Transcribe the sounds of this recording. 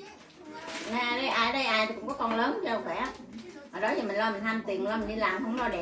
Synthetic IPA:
na˧ʔaː˧˩ɗə˧jʔaː˧jɗə˧jʔaː˧j̪ʰi˨˩kʊ̰˧˥ŋ͡mkɔ˨˦˥kɔ˧nləː˨˦nt͡ɕə˧˩kxwɛ˧˩ʔəː˨˩ɗɔ˨˦t̪ʰi˨˩mï˨˩ŋ̟lɔ˧mï˨˩ŋ̟t̪ʰaː˧mt̪i˨˩ənlɔː˧mi̟˨˩ɗi˧laː˨˩mhə˧wŋ͡mlɔ˧ɗɛ˨˩

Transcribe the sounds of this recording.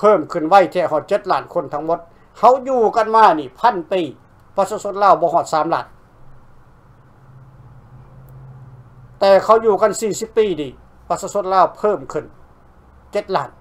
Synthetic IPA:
pʰɤː˧˥˨mkʰɯ˧˩˨nʋa˧˨jt̪ʰɛː˧˩hɔː˧˩t̪̚t͡ɕe˧˦t̪̚laː˧˩nkʰo˧˥˨nt̪ʰa˧ŋmo˧˦t̪̚ | ha˧˥˨wjuː˧˩ka˧˨nmaː˧˩˨niː˧˩pʰa˧˥˨npiː˧˩ | pa˧saː˧so˧˥˨nlaː˧˩˨wbɔː˧˦ɦɔː˧˩t̪̚saː˨˦mlaː˧˩˨n | t̪ɛː˧˩kʰa˧˩˨wjuː˧˩ka˧˥˨nsiː˧˩si˧˥pːiː˧˩niː˧˩ | pa˧saː˧so˧˥˨nlaː˧˩˨wpʰɤː˧˩˨mkʰɯ˧˩n | t͡ɕe˧˦t̪̚la̰ː˧˩n

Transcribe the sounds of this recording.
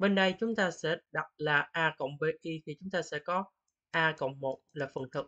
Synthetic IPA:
ɓe˧nɗə˧jt͡ɕʊ˨˦ŋ͡mt̪aː˧sɛ̰˧˥ɗa˨˩t̚laː˨˩ʔaː˧kə̰˧˨wŋ͡mɓe˧ʔi˧t̪ʰi˨˩t͡ɕʊ˨˦ŋ͡mt̪aː˧sɛ̰˧˥kɔ˨˦ | ʔaː˧kə̰˧˨wŋ͡mmo˨˩t̚laː˨˩fə˨˩ŋt̪ʰɨ˨˩k̚

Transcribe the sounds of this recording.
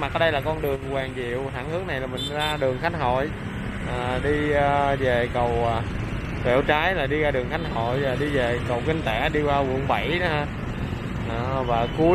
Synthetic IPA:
ma˨˩ʔa˧˦˥ɗə˧jlaː˨˩kɔ˧nɗɨ˨˩əŋkwaː˨˩ŋzḭ˧˨əwt̪a̰˧˩ŋhɨ˨˦˥əŋ̚na˨˩jlaː˨˩mï˨˩ŋ̟zaː˧ɗɨ˨˩əŋxa˦˥jŋ̟ɦo̰˧˨j | ʔaː˨˩ɗi˧ve˨˩kə˨˩w | kḛ˧˩wt͡ɕaː˨˦jlaː˨˩ɗi˧ɣaː˧ɗɨ˨˩əŋxa˦˥jŋ̚ɦo̰˧˨jlaː˨˩ɗi˧ve˨˩kə˨˩wkï˧ŋ̟t̪e˧˩ɗi˧kwaː˧wə̰˧˩əŋɓə˧˩jɗa˧ | ɔ˧˩vaː˨˩ku˨˦

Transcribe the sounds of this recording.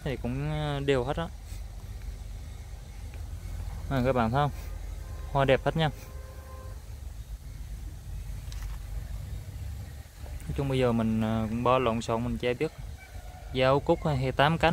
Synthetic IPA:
t̪ʰi˨˩kʊ̰˧˥ŋ͡mɗi˨˩əwhe˦˥t̚ʔɔ˧˨˦ | əː˨˩kaː˨˦˥ɓa̰ː˧˨nt̪ʰo˧j | hwaː˧ɗɛ˨˩p̚hə˦˥t̚ɲaː˧˦ | t͡ɕʊ˧ŋ͡mɓə˧jzəː˨˩mï˨˩ŋ̟˨˩˧ŋ͡mɓɔ˧lə̰˧˨ŋsɔ̰˧˨˦ŋmï˨˩ŋ̟t͡ɕɛ˧˩ɓi˦˥ət̚ | zaː˧kʊ˦˥k͡p̚tːɦɛ˨˩t̪aː˨˦mka˨˦

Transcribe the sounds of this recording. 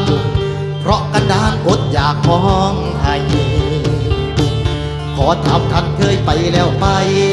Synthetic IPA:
pʰɾɔ˦˥ʔka˧ndaː˧˥˨nʔo˨˦t̪̚jaː˨˩k̚hɔː˦˥˧ŋ | ha˧˩j | kɔː˨˩˦t̪ʰa˨˦mt̪ʰa˧˥n̚kʰɤː˧jpa˨˩jlɛː˦˥˩wpa˧j

